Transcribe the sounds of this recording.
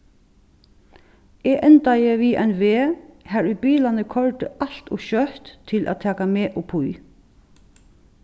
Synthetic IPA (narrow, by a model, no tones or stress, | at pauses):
eːʔɛnt̪ajəʋiːʔɛnʋeːhæːɹʏbiːlanəkʰɔɹt̪əʔɑl̥t̪ɔʃœht̪ʰːɪlʔæ̰ːt̪ʰɛːkameːʔɔpʰuj